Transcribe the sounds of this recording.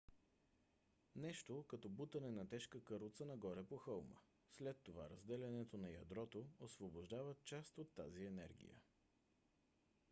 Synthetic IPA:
nɛʃt̪okɐt̪ɔbut̪ɐnɛnɐt̪ɛʃkəkəɾot̪sənɐɡɔɾɛpoxɤlˠmə̰ | slɛt̪ːova̰ɾɐzd̪ɛlɐnɛt̪onɐjɐ̰d̪ɾɔt̪oosvoboʒd̪avət̪̚t͡ʃast̪ot̪ːa̰ziɛnɛ̰ɾɡʲḭjə̰

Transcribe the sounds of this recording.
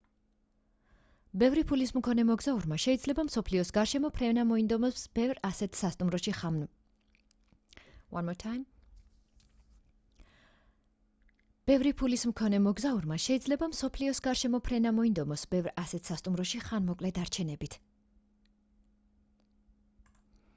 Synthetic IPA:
bɛvɾipʰulismkʰɔnɛmɔɡzauɾmaʃɛid̪zlɛbamsɔpʰliɔsɡaɾʃɛmɔpʰɾɛnamɔind̪ɔmsbɛvɾasɛt̪ʰsast̪ʼumɾɔʃi | wanmɔt̪ʰm | b̥ɛvɾipʰulismkʰɔnɛmɔɡzauɾmaʃɛid̪zlɛbamsɔpʰliɔsɡaɾʃɛmɔpʰɾɛnamɔind̪ɔmɔsbɛvɾasɛt̪ʰsast̪ʼumɾɔʃiχanmɔkʼlɛd̪aɾt͡ʃʰɛnɛbit̪ʰ

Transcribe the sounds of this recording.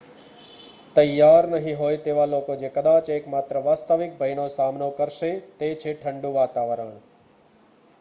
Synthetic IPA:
t̪əjːaɾnəɦĩɦojt̪eʋalokod͡ʒekəd̪at͡ʃekmat̪ɾəʋaːst̪əʋɪk̚bʱəjnosamnokəɾʃet̪et͡ʃʰeʈʰəɳɖũʋat̪aʋəɾəɳ

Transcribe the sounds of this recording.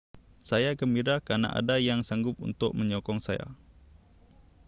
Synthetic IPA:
sajakəmbiɾakana̰ʔa̰dajaŋsaŋɡʊp̚ṵnt̪ʊʔ̚məɲɔkɔŋsaja̰

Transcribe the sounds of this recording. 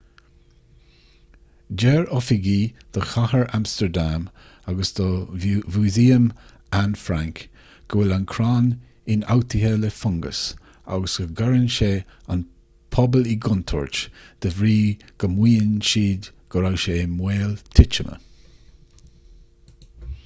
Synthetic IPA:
d͡ʒɛɹɔfɪɡiːd̪̥əxahəɹamst̪əɹd̪am | aɡəsd̪̥əvuːziːəm | anfɾaŋk | ɡ̥əwɪlankʰɾaːn | ɪna̰wt̪ʰɪhələfʊŋɡə̰s | a̰ɡəsɡ̥əɡaɹənʃeːa̰n | pʰɔbəliɡʊnt̪ʰɔ̰ːɹt͡ʃd̪̥əvɾiːɡ̥əmwiːənʃiːd | ɡ̥əɾawʃeːmweːlt̪ʰɪt͡ʃəmə̰

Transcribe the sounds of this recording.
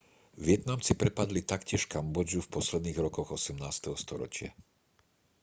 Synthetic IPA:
ʋɪɛt̪namt͡sipɾɛpad̪lit̪akcɪɛʃkambɔd͡ʒufpɔslɛd̪niːɣɾɔkɔɣɔsɛmnaːst̪ɛɦɔst̪ɔɾɔ̰t͡ʃɪa̰

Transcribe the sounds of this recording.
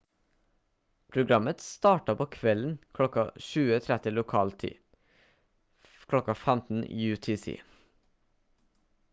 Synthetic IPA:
pʰɾʊɡɾɑmət̪st̪ɑːʈɑpʰoːkʰʋɛln̩kʰlɔkɑʃʉːət̪ʰɾæt̪əlʊkʰɑːlt̪ʰḭː | kʰlɔkɑfæmt̪n̩ḭjʉːt̪ʰisḭː

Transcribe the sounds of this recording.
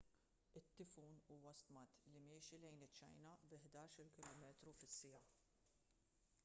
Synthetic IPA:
ɪt̪ːɪfuːnuːwɐst̪mɐt̪limɪːʃilɛjnɪt͡ʃːɐ̰jnɐbɪħd̪ɐːʃɪlkɪlɔːmɛːt̪ɾufɪsːɪjɐ

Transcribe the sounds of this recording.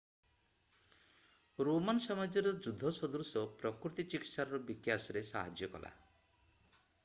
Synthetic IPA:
ɾomanɔsɔmad͡ʒɔɾɔd͡ʒud̪ʱːɔsɔd̪uɾsɔpɾɔkɾut̪it͡ʃikit̪saɾɔɾɔbikjasɔɾesa̰ɦad͡ʒjɔkɔ̰la̰

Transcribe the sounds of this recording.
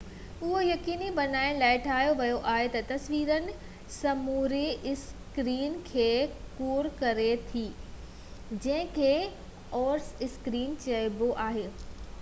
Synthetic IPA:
ʊɦojɐkiːnibɐnaːɪ̃laːɪʈʰaːɦijoʋɐjoʔaːɦet̪ɐt̪ɐsʋiːɾənɪ̆ | sɐmuːɾeɪskɾiːnkʰeːkoːɾkɐɾet̪ʰiː | d͡ʑɐ̃ɦɪ̃kʰeː | ɔːɾsɪskɾiːnt͡ɕɐɪboʔaːɦeː

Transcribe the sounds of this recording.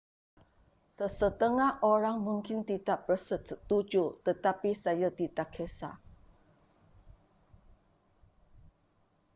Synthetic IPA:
səsət̪əŋahʔoɾaŋmuŋkɪnt̪id̪aʔbərsətsət̪u̥d͡ʒut̪ət̪apisajad̪̥it̪akʰɛsa̰

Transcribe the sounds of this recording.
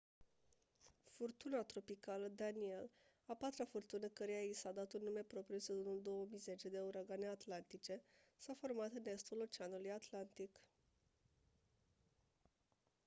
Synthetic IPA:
furt̪unat̪ɾo̞pikaləd̪anie̞l | apat̪ɾafurt̪unəkəɾejaisad̪at̪unːume̞pɾo̞pɾiused̪unuld̪o̞wəmijze̞t͡ʃe̞d̪e̞uɾaɡane̞at̪lant̪it͡ʃe̞safo̞rmat̪ɨne̞st̪ulo̞t͡ʃeanulujat̪lant̪ik

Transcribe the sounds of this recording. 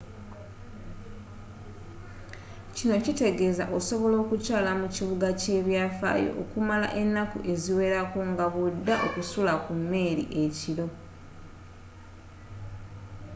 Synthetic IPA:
cino̞cite̞ɡe̞za̰ʔo̞so̞βo̞lo̞ːkucaːlamuciβuɡace̞ːβjaːfa̰ːjo̞̰ʔo̰kumala̰ʔe̞nːakṵʔe̞ziwe̞ːɾakoŋɡaβudːaʔo̞kusulakumːe̞ːɾḭʔe̞cilo̞

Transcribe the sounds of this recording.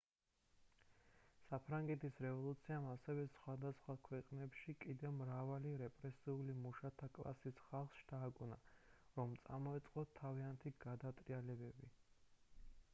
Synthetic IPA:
sapʰɾaŋɡɛt̪ʰisɾɛvɔlˠut̪sʰiamasɛvɛsχwad̪asχwakʰwɛqʼnɛpʃikʼid̪ɛvmɾavaliɾɛpʼɾɛsiulimuʃat̪ʰakʼlˠa̰sisχalˠχsʃt̪ʰaːkʼunaɾɔmt̪sʼa̰mɔɛt̪sʼqʼɔt̪ʰːaviant̪ʰiɡad̪at̪ʼɾialɛbɛbi

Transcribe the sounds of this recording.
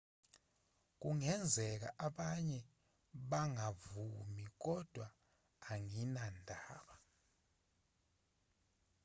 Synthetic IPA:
k̬uŋɛnd͡zʱɛk̬a̰ʔaɓaɲɛ | ɓaŋavumik̬ɔd̥ʱwaː | ŋinandʱaːɓa

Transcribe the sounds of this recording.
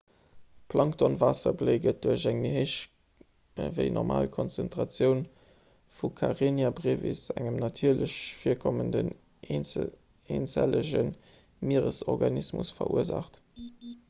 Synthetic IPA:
pʰlʔɑŋktʰonvaːsɐbleɪɡət̚d̥uɐɕæŋmiɦəʃ | vəɪnʔɔʁmʔaːlkʰɔnt͡sɛntʁɑt͡sjəʊn | fukʰaʁenjabʁeːvḭsæŋəmnɑtʰiːɐləɕfiːɐkʰɔməndən | eːnt͡sæ̰ləʑən | miʁəsɔʁɡɑnismṵsfɐ̰ʔṵəza̰χt

